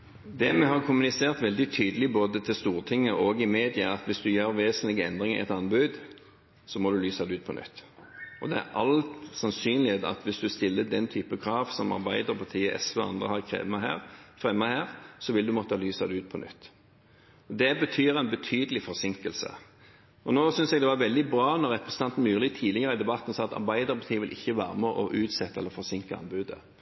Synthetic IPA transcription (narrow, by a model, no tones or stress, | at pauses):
d̪ɛmɛhɑʁkʰʊmʉnɪseːʁt̪ʋɛld̪ɪt̪ʰyːd̪əlɪboːd̪ət̪ʰɪlst̪uːʁt̪ʰɪŋːəʔɔɡɪmeːd̪ɪəɑt̪ʋɪsd̪ʉjøːɾʋeːsənlɪɡəɛnd̪ʁɪŋɪ̰ɛ̰t̪ɑnbʉd̪ | sɔmɔd̪ʉlyːsɑd̪ɛʉːd̪̚pʰɔnʏ̰t̪ː | ɔd̪ɛæ̰ɾʔɑlt̪sɑnsyːnlɪheːt̪ɑ̰t̪ʋɪsd̪ʉst̪ɪlːəd̪ɛnt̪ʰyːpəkʰʁɑːʋsɔmɑ̰ʁbæɪd̪əʁpʰɔt̪ʰiːəʔɛ̰sʋəɑ̰nd̪ʁəhɑʁkʰʁɛ̰ːməɦæ̰ːʁfʁɛmːəhæːʁsɔʋɪld̪ʉmɔt̪ːəhɑlyːsɑd̪ɛʉːt̪̚pʰɔnʏ̰t̪ː | ɔd̪ɛbət̪ʰyːɾæɪnbət̪ʰyːd̪əlɪfɔɾsɪŋkəlsə̰ | ɔnoːsʏnsɛɡd̪ɛʋɑɾʋɛld̪ɪbɾɑːnɔɾɛpɾʁɛsənɑnt̪n̩mʉːʁlɪt̪ʰiːlɪɡəʁəɪd̪ɛbɑt̪ːn̩sɑːɑt̪ɑ̰ɾbæɪd̪əʁpʰɑt̪ʰiːəʋɪlʔɪçːəʋæ̰ːɾəmɛʔɔʔʉːt̪sɛt̪ːəɛ̰lːəɾfɔʁsɪŋkəɑ̰nbʉːd̪ə̰